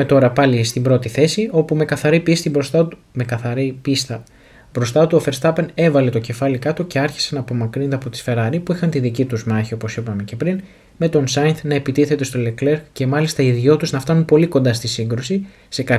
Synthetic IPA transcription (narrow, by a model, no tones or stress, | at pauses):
met̪o̞ɾɐpɐlist̪imbɾo̞t̪iθe̞sio̞pume̞kɐθɐɾipist̪ibost̪ɐ | mekɐθɐɾipist̪ɐ | bɾo̞st̪ɐt̪uofe̞ɾst̪ɐpene̞vɐle̞t̪o̞ce̞fɐlikɐt̪o̞ce̞ɐɾçi̥senɐːpo̞mɐkɾind̪ɐpo̞t̪i̥sfe̞ɾɐɾipuixɐnt̪iðicit̪uzmɐçio̞po̞sipɐme̞ce̞pɾin | me̞t̪o̞nsɐnt̪nɐe̞pit̪iθe̞t̪e̞st̪o̞lekleɾkce̞mɐlist̪ɐiðʝo̞t̪uznɐft̪ɐnunpo̞liko̞nd̪ɐst̪isiŋɡɾosi | se̞kɐ